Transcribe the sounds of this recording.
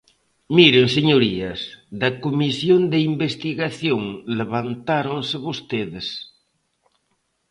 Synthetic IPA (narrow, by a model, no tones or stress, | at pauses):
miɾeŋseɲoɾiɐsðɐkomisjond̪eimbest̪iɣaθjoŋleβant̪aɾonsɪβost̪eðɪs